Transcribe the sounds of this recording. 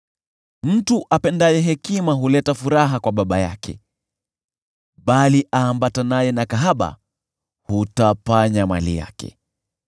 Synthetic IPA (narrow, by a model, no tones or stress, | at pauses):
m̩tuʔapɛndajɛɦɛkimaɦulɛtafuɾaɦakwaɓaɓaja̰kʰɛ̰ | ɓaliʔaːmbatanajɛnakaɦaɓa̰ | hutafaɲamalḭja̰kɛ̰